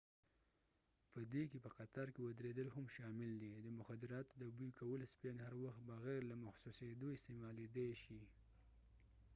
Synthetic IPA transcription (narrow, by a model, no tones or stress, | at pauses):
pəd̪ekepəqat̪aɾkewad̪ɾed̪əlhamʃɑmɪld̪id̪əmʊxad̪ɪɾɑt̪od̪əbujkʰawəlspenhaɾwaxt̪̚bəɣɛɾlamaxsused̪oɪst̪emɑled̪ajʃi